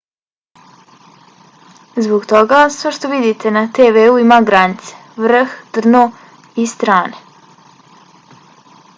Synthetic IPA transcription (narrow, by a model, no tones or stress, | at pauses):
zboɡt̪o̞ɡasʋeʃt̪o̞ʋid̪it̪e̞nat̪eʋeuimaɡɾanit̪se̞̥ʋr̩xt̪r̩no | ist̪ɾaːne